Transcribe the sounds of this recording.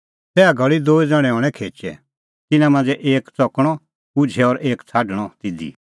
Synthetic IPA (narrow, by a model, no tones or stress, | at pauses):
sɛːaɡʱɐɭid̪oːid͡zaɽ̃ɛ̃ɔːɽ̃ɛkʰeːt͡ʃɛ̰ | t̪ɪnãmãnd͡zɛʔeːkt͡sɔkɽ̃ɔ | kʊd͡ʒʱɛɔɾeːkt͡sʰaːɖɽ̃ɔt̪ɪd̪ḭ